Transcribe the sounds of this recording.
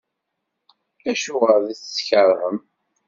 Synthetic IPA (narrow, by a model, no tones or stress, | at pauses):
æʃʊʁəɾðæθə̥sçəɾˤhəm